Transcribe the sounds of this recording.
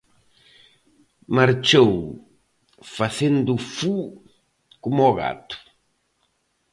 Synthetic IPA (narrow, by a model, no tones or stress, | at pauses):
maɾt͡ʃow | faθend̪ufu | kumɔɣa̰t̪u̥